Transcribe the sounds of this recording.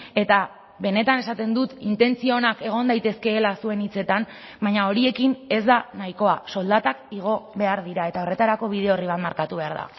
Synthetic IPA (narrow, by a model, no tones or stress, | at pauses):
e̞t̪a | βe̞ne̞t̪ane̞sat̪e̞nd̪ut̪int̪e̞nt͡sio̞nake̞ɣ̞o̞nd̪ajt̪e̞ske̞ːlasue̞nit͡se̞t̪am | bajɲao̞ɾie̞kine̞zd̪anaiko̞aso̞ld̪at̪akiɣ̞o̞βe̞aɾðiɾae̞t̪ao̞re̞t̪aɾako̞β̞ið̞e̞o̞riβat̪maɾkat̪uβe̞aɾða̰